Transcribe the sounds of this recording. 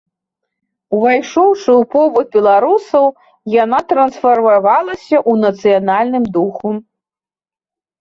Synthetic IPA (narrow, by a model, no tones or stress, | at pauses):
uvajʂɔwʂɨwpɔbut̪̚bʲɛlˠaɾusɐw | janat̪ɾɐnsfɐrmavalˠɐsʲɐʔunɐt̪sɨjanalʲnɨmd̪uxu